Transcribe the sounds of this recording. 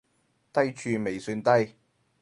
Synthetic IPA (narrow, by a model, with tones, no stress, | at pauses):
t̪ɐ˥jt͡ʃʰyː˨˧me˨˩jsyː˧nt̪ɐ˥j